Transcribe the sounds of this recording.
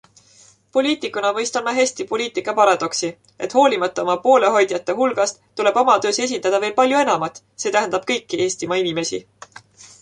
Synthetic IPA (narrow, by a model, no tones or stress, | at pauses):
po̞lʲiːt̪ːˑikːˑunɑmɤjst̪ɑmɑɦesʲt̪ipo̞lʲiːt̪ˑikːˑɑpɑɾɑd̪̥o̞ksi | ʔe̞t̪ːˑho̞ːlʲimɑt̪ˑːɑomɑpo̞ːle̞ɦo̞jd̪̥jɑt̪ːˑeɦulɡ̥ɑst̪t̪ːule̞b̥o̞mɑt̪ø̞ːse̞s̬ind̪ɑd̪̥ɑveːlpɑlʲjue̞nɑmɑt̪ːˑ | se̞ːt̪æɦænd̪̥ɑb̥̚kɤjkːiʔe̞ːst̪imɑinime̞sḭ